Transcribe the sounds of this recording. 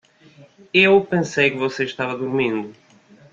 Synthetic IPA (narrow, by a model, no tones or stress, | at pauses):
ewpẽsejkɨvɔseʃt̪avɐðuɾmĩnd̪ʊ